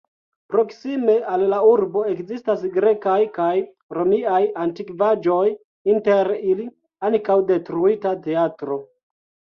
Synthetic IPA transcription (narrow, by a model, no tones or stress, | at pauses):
pɾo̞ksime̞ʔallauɾbo̞e̞kzistasɡɾe̞kajkaj | ɾo̞miajantikvad͡ʒo̞j | inte̞ɾili | ankawde̞tɾuitate̞atɾo̞